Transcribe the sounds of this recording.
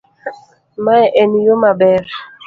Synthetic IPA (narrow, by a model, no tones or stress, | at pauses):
maɛʔenijomabɛɾ